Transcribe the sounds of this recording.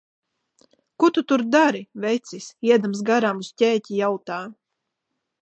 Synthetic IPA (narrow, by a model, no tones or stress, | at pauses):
kut̪ut̪uɾd̪aɾivɛjt̪sʲisiɛd̪amsɡaɾaːmuscʲɛːcijawt̪aː